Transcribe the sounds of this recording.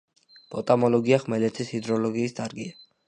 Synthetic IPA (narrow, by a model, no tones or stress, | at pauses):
b̥ʰʼɔt̪ʼamɔlɔɡiaχmɛlɛt̪sʰishid̪ɾɔlɔɡiːsd̪aɾɡia